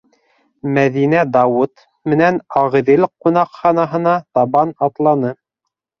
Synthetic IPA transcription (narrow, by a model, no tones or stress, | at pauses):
mæðinæd̪ɑwut̪ | mɘ̆nænɑʁɤ̆ðɘlqunɑqχɑnɑɦɤ̆nɑt̪ɑβɑnɑt̪lˠɑnɤ